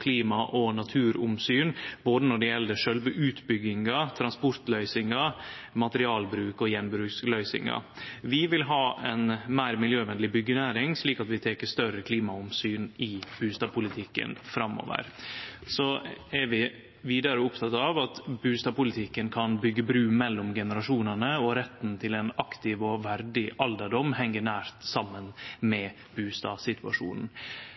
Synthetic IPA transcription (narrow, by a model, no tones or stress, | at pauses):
kʰliːmɑʔɔnɑt̪ʰʉːɾʊmsyːnboːd̪ənɔɖɛjɛlːəʂœlʋəʔʉːt̪bʏɡɪŋɑt̪ʰɾɑnspʊɾt̪lœʏsɪŋɑ | mɑt̪əɾɪɑːlbɾʉːkɔjɛnbɾʉːkslœʏsɪ̰ŋɑ̰ | ʋɪʋɪlɦɑːɛnmæɪɾmɪljøːʋɛnlɪbʏɡːənæːɾɪŋsliːkɑt̪ʋɪt̪ʰɛːkəst̪œɾəkʰliːmɑʊmsyːnɪb̥ʉːst̪ɑːpʰʊlɪt̪ʰɪkːə̰nfɾɑmɔ̰ːʋə̰ɾsɔɛɾʋɪ | ʋiːd̪ɑɾəʊpt̪ʰɑt̪ɑʋɑt̪bʉːst̪ɑpʊlɪt̪ʰɪkːənkʰɑnbʏɡːəbɾʉːmɛlːɔmɡɛnəɾɑʂuːnɑnəɔɾɛt̪ːnt̪ʰɪlɛnɑkt̪ɪʋɔʋæɾɖɪʔɑld̪əɖɔmːhɛŋːəɳæːɾt̪sɑmːənmɛ | b̥ʉːst̪ɑ̰ːsɪt̪ʰʉɑ̰ʂṵːnn̩